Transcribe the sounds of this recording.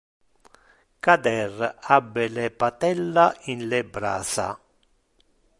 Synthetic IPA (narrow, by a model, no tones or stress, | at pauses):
kad̪ɛrabːelepat̪ɛlːainlebɾa̰ːsa̰